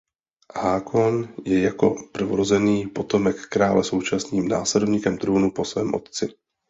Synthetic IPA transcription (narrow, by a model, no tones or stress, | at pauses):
haːkʰonjɛjako̞pr̩voɾozɛniːpo̞t̪o̞mɛkːɾaːlɛso̞wt͡ʃasniːmna̰ːslɛdovɲiːkɛmt̪ɾuːnupo̞svɛ̰ːmʔo̞̰t̪̚t͡sɪ